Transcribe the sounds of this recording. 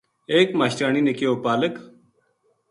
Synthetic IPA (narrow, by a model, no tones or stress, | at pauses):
eːkmaːɕʈaːninekeoːpaːlək